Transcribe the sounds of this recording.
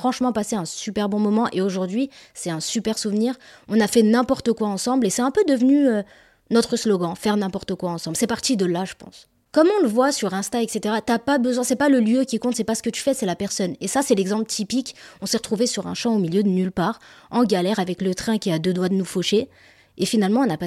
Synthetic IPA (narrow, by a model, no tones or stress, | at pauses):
fχɑ̃ʃmɑ̃paseɛ̃sypɛʁbɔ̃mɔmɑ̃ʔeoʒuʁd̪ɥisɛt̪ɛ̃sypɛʁsuvniːʁɔ̃nafɛnɛ̃pɔʁt̪əkwaɑ̃sɑ̃blesɛt̪ɛ̃pød̪əvnyø | nɔt̪χəslɔɡɑ̃fɛʁnɛ̃pɔʁt̪əkwaɑ̃sɑ̃mblsɛpaʁt̪id̪əlaʒəpɑ̰̃s | kɔmɔ̃ləvwasyʁɛ̃st̪aɛkset̪eʁat̪yapabəzwɛ̃sɛpaləljøkʲikɔ̃t̪sɛpasə̥kət̪y̥fɛsɛlapɛʁsɔnesasɛlɛɡzɑ̃pt̪ʰipikɔ̃sɛʁə̥t̪χuvesyʁɛ̰̃ʃɑ̃omiljød̪ənylpaːʁɑ̃ɡalɛʁavɛklət̪χɛ̃kʲiad̪ød̪wad̪ənufɔʃe | efinalmɑ̃ɔ̃napa